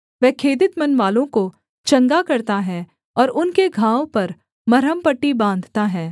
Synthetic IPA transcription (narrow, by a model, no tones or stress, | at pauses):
ʋɛɦkʰeːd̪ɪt̪mɐnʋaːlõko | t͡ʃɐ̃ŋɡakɐɾt̪aɦɛː | ɔːɾʊnkeɡʱãːʋpɐɾ | mɐɾəmpəʈːibãːnd̪ʱt̪aɦɛː